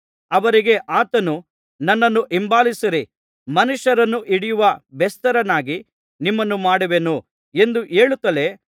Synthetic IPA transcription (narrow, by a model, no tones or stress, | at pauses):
ɐʋɐɾiɡe̞ʔaːt̪ɐnu | nɐnːɐnːuʔimbaːlisiɾi | mɐnuʃɐɾɐnːuʔiɽijuʋɐbɛst̪ɐɾɐnaːɡi | nimːɐnːumaːɽuʋenu | e̞nd̪uʔeːɭut̪ːɐle̞